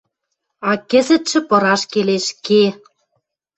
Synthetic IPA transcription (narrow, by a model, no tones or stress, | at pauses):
ɑkə̆zə̆t̪ʃɘ̆pɤ̆ɾɑʃkeleʃke